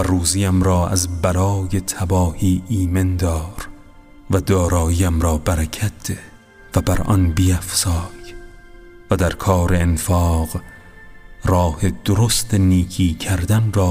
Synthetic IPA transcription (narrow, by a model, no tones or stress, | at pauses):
væruːziːæmɾɒːæ̰zbælɒːje̞t̪ʰæbɒːhiːʔiːmend̪ɒːɾ | væd̪ɒːɾɒːjiːæmɾɒːbæɾæcʰæt̪̚d̪̥e | væbæɾʔɒ̰nbiæfsɒːj | væd̪æɾkʰɒːɾe̞enfɒːɣ | rɒːhe̞d̪̥oɾost̪ʰeniːkʰiːcʰæɾd̪ænrɒː